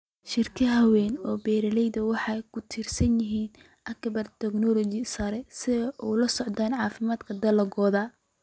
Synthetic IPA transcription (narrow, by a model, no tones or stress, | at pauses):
ʃɪrkʰɪɦɐwɛːnɔːbɛːɾɐlɛjd̪ɐwɑħɑjkʰʊt̪ʰɪrsɐnjɪɦiːn | ʔɐkbɐrt̪ʰɛɡnɔlɔt͡ʃɪsɐɾɛsɪʔɔwlɐsɔʕd̪aːnʕɑːfɪmaːd̪kʰɐd̪ɐlɐɡɔːðaː